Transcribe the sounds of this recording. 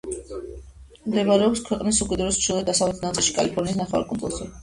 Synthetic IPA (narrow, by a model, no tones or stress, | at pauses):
md̪ɛvaɾɛɔpskʰwɛqʼnisukʼɛd̪ɾɔst͡ʃʰilˠvɛd̪asavlɛt̪ʰnat̪sʼilˠʃikʼa̰lipʰɔɾniːsnaχɛvaɾkʼɔmpʼɔ̰sɛ